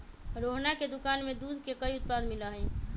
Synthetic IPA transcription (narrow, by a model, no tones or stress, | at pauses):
ɾoɦnaked̪ʊkaːnmed̪ud̪ʱkekəiʊt̪̚pad̪miləɦəj